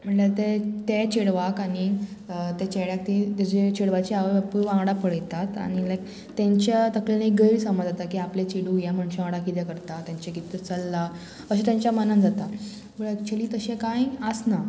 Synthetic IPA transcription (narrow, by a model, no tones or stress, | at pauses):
m̤əɳlat̪et̪et͡ɕeɽʋakaɽ̃i | t̪et͡ɕeɽjak̚t̪it̪ed͡ʑet͡ɕeɽʋat͡ɕiaʋpuɾʋãŋɡɽapəɽəjt̪at̪a̰ñilak | t̪ẽɲt͡ɕjat̪əklenek̚ɡəjiɾsəmad͡zat̪akiːaplet͡ɕiɽujam̤əɳɕãŋɽakit̪ɛkəɾt̪at̪jaɲt͡ɕekit̪ət͡səlːa | əɕ̬et̪jãɲt͡ɕjamənənd͡zat̪a | məɭət͡ɕeliːt̪əɕẽkãjəsna